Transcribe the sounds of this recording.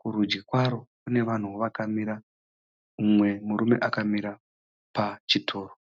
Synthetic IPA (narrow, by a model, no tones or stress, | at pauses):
kuɾud͡ʒɡikwaɾo̞kune̞ʋan̤uʋakamiɾa | umwe̞muɾume̞̰ʔakamiɾa | pat͡ʃitʰo̞ːɾo